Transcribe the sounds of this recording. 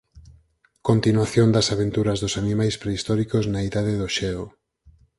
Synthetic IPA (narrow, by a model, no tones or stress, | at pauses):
kont̪inwaθjond̪ɐsaβent̪uɾɐzðosanimajspɾeist̪ɔɾikoznaiðaðeðoʃɛo